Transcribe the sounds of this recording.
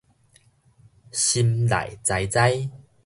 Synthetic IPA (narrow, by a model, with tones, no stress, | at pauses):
ɕi˧mla̰˨˩jt͡sa˧jt͡sa˦j